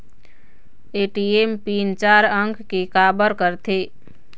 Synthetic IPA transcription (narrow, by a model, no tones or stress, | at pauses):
eːʈiempiːnt͡ʃaːɾə̃ŋkʰkekaːbəɾkəɾt̪ʰe